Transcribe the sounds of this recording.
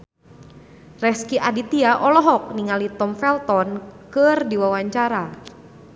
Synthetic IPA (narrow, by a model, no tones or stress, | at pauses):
rɛskiʔadit̪iaʔɔlɔɦɔk̚niŋalit̪ɔmfɛlt̪ɔnkɨrdiwawaɲt͡ʃaɾa